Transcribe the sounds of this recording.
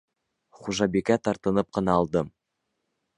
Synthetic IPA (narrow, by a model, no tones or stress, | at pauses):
χuʒɑbekʲæt̪ɑɾt̪ɤ̆nɤp̚qɤ̆nɑːlˠd̪ɤm